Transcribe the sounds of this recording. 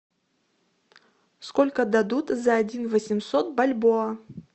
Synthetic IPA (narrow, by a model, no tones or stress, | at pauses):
skolʲkəd̪ɐd̪ut̪zɐːdʲinvəsʲɪmsot̪̚bɐlʲboɐ